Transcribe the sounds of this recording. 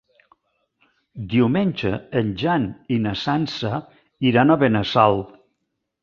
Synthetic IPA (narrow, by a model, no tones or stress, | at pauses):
d̪iumenʲd͡ʒə̰ənʲʒaninəsansə | iɾanəβenəsalˠ